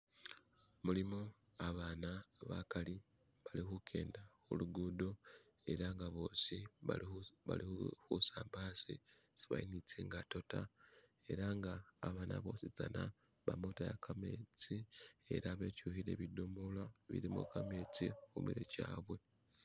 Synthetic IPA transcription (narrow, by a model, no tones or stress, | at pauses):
mulimo | aβaːnaβakali | βalixukʰe̞̰ːndaxuluɡudo̞ | e̞ɾaŋɡaβo̞ːsiβaβalixusaːmbaːsḭsi̥βa̰init͡siːŋɡato̞tae̞ɾaŋɡaːβaːnʔa̰βo̞ːsit͡sana | βamotajakʰame̞t͡sie̞̰ɾaβecuːhiɾeβidomulwaβḭɾimṵkame̞ːt͡sixṵmiɾḛcaːβwe̞